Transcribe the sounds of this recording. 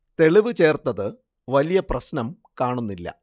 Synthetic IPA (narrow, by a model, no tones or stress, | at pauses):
t̪e̞ɭiʋɨt͡ɕe̞ːrt̪ːɐðɨ | ʋɐlijɐprɐɕnɐm | kaːɳunːilːɐ̰